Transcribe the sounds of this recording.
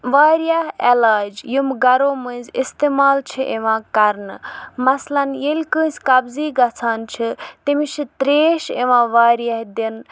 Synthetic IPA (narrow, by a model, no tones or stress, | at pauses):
ʋaːɾjaɦelaːd͡ʒjumɡɐɾoːmɨnʲzist̪eːmaːlt͡ʃʰiʔeʋãːkɐɾnɨmɐslɐnjelʲkɨ̃ːsʲkɐbziːɡɐt͡sʰaːnt͡ʃʰit̪imiʃʰit̪ɾeːʃeʋãːʋaːɾjaɦd̪in